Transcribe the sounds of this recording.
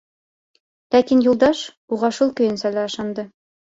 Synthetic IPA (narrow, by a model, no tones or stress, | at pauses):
læt̪ʲinjulˠd̪ɑʃ | uʁɑʃulˠkɵ̆jɘ̆nsælæɤ̆ʃɑnd̪ɤ